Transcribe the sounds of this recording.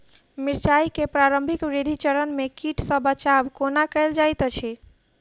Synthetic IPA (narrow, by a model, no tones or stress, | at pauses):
miɾt͡ʃaikepɾaɾəmbʱikʋɾid̪ʱit͡ʃəɾənmekiʈʰsəbət͡ʃabkonakəɪld͡ʒajt̪t͡ʃʰɛ